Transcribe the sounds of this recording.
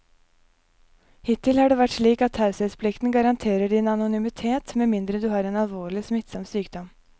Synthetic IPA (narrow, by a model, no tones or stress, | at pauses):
hɪt̪ʰːɪlhɑːɖeːʋæʈʂɭiːkɑt̪hɑʉsɛspʰlɪkt̪nɡɑɾɑnt̪ʰeːɾəɖɪnɑnʊnʏmɪt̪ʰeːt̪meːmɪnd̪ɾəd̪ʉːhɑːɾɛnɑlʋoːɭɪsmɪt̪sɑmsyːkd̪ɔm